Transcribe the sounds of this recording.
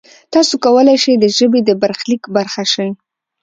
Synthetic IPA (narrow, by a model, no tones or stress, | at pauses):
t̪ɑsokawəlajʃəjd̪əʒəbed̪əbaɾxlikbaɾxaʃəj